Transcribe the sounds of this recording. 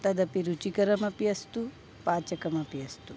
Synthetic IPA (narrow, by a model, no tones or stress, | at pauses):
t̪ɐd̪ɐpiɾut͡ʃikɐɾɐmɐpjɐst̪u | paːt͡ʃɐkɐmɐpjɐst̪u